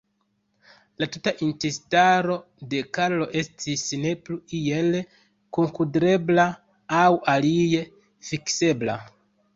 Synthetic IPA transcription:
latutaʔintestaɾo̞ | de̞kaɾlo̞ʔe̞stʰisne̞pluije̞l | koŋkudeɾe̞bla | awalije̞ | fikse̞bla̰

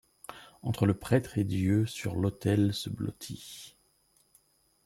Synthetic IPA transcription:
ɑ̃t̪χələpχɛt̪χed̪jøsyʁlot̪ɛlsəblɔ̰t̪ʰi

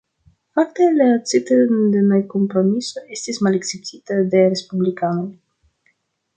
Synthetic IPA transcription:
faktelat͡siteɾndenajko̞mpɾo̞miso̞e̞stismalekseptʰitadeɾe̞spublikano̞j

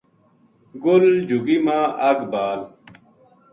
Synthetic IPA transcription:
ɡʊld͡ʑʱuɡimãːʔɐɡbaːl

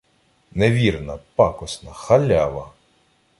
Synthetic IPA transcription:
neʋʲirnɐpɑkɔsnɐxɐlʲaʋɐ

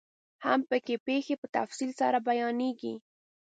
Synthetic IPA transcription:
hampəkepexepət̪a̰fsilsa̰ɾabajɑneɡi

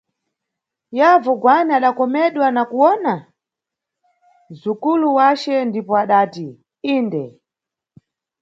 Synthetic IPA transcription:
javɔɡwanaaɗakɔmɛɗwanakuwɔna | zukuluwat͡ʃɛndipɔaɗaːti | iːndɛ

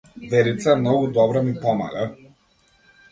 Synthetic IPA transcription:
vɛɾit̪saɛmnɔɡud̪ɔbɾamipɔma̰lɛ

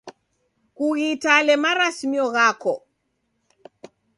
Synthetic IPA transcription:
kuɣitalɛmaɾasmiɔɣakɔ

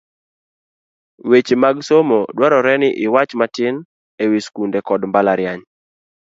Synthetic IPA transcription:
wet͡ʃmaɡsomodwaɾɔɾɛnɪʔɪwat͡ʃmatɪn | ewiskundekɔdmbalaɾjaɲ

